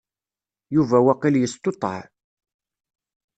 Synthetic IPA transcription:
juvæwæqiljəst̪ot̪ˤːə̰ʕ

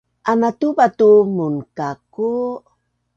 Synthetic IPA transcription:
ʔanatubatumunkaku

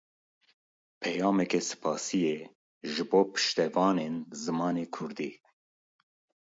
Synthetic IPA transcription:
pʰɛjɑːmɛkɛsɨ̥pʰɑːsijɛ | ʒɨboːpʰɨ̥ʃt̪ɛvɑːnenzɨmɑːneːkʰʊɾd̪iː

